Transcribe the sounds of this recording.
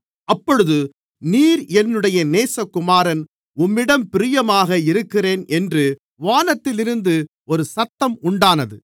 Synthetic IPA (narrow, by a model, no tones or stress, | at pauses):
ɐpːɔɻɯðɯ | niːɾɛnːɯɽɐjɐneːsɐkːʊmaːɾɐn | ʊmːɪɽɐmpɪɾɪjɐmaːɣɐɪɾɯkːɪreːnɛndrɯ | ʋaːnɐt̪ːɪlɪɾɯnd̪ɯ | ɔɾɯsɐt̪ːɐmʊɳɖaːnɐðɯ